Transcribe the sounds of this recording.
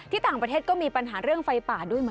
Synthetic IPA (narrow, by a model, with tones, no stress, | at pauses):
t̪ʰiː˥˩t̪aː˨˩ŋpɾa˧eː˥˩kɔː˥˩miː˧pa˧nɦaː˩˦ɾɯ˥˩əŋfa˧jpaː˨˩du˥˩əjma˦